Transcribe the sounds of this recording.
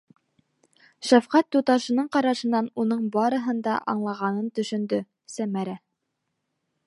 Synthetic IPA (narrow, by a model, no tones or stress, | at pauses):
ʃæfqæt̪ːut̪ɑʃɤ̆nɤɴqɑɾɑʃɤ̆nːɑnunɤɴbɑɾɤ̆ɦɤ̆nd̪ɑʔɑɴlˠɑʁɑnɤnt̪ɵ̆ʃɵ̆nd̪ɵ | sæmæɾæ